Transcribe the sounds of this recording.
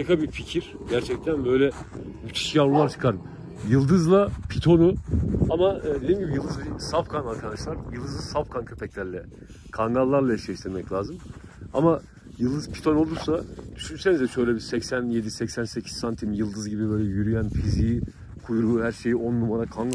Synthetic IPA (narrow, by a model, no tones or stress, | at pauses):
ekʰabificʰiɾ̥ɟæɾt͡ʃʰɛc̚t̪ʰænbø̞jlʲɛmyt̪ʰi̥ʃjavɾulˠaɾt͡ʃʰɯ̥kʰaɾɯm | jɯlˠd̪ɯzlˠapʰit̪ʰo̞nuamad̪e̞d̪imɟibijɯlˠd̪ɯzbisafkʰanaɾkʰad̪aʃlˠaɾjɯlˠd̪ɯzsafkʰankʰøpʰɛclʲæɾlʲɛ | kʰaŋɡalˠːaɾlˠaɛʃlʲɛʃt̪ʰiɾmɛclʲaːzɯma̰ma | jɯlˠd̪ɯzpʰi̥t̪ʰo̞no̞lˠuɾsad̪̥yʃynse̞nizɛʃø̞jlʲɛbisɛcsænje̞d̪isɛcsænse̞cʰi̥zant̪ʰimjɯlˠd̪ɯzɟibibø̞jlʲɛjyɾyjænfiziji | kʰujɾuhæɾʃe̞jio̞nːumad̪akʰanɡ